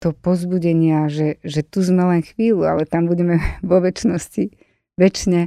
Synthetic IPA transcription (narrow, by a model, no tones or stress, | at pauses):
t̪ɔpɔzbuɟɛɲɪaʒɛʒɛt̪uzmɛlɛnxʋiːlua̰lɛt̪ambuɟɛmɛʋɔʋɛt͡ʃnɔsci | ʋɛt͡ʃɲɛ